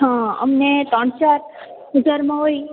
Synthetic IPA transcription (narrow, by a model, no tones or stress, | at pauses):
ɦãə̰mnet̪ə̃ɳt͡ʃaɾ | ʋəd͡ʒaɾmãɦoi